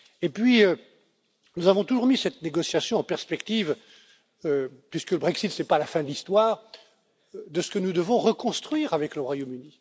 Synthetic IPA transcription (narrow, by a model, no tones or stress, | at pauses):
epɥiø | nuzavɔ̃t̪uʒuʁmisɛt̪neɡɔsjasjɔ̃ɑ̃pɛʁspɛkt̪iv | øpɥiskələbʁɛksit̪sɛpalafɛ̃d̪əlist̪waːʁ | d̪əsə̥kənud̪əvɔ̃ʁəkɔ̃st̪χɥiːʁavɛkləʁwajomyni